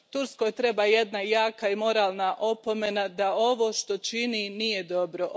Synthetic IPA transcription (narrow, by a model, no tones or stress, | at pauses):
t̪uɾsko̞jt̪ɾe̞baje̞d̪najaːkaimo̞ɾaːlˠnaʔo̞po̞me̞nad̪ao̞ʋoʃt̪o̞t͡ʃininije̞d̪o̞bɾo̞